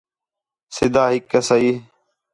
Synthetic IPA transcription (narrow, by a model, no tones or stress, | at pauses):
sɪd̪aːɦɪkːəsəiː